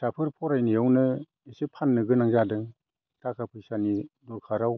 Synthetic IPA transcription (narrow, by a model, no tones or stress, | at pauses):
tʰapʰɯɾpʰɔɾajnijawnɯ | esipʰanːɯɡɯnaŋzadɯŋ | tʰakʰapʰɯjsanidɔɾkʰaɾaw